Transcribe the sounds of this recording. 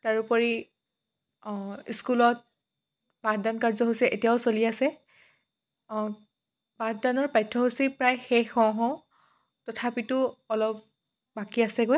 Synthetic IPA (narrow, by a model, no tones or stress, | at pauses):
taɹupɔɹi | iskulɔt̚ | badankaɹzɔɦosɛʔetijaʊsoliasɛ | batdanɔɹpajtʰːɔɦosipɹajxexɔ̃ɦɔ̃ | tɔtʰapitʊɔlɔp̚ | bakiasɛɡoj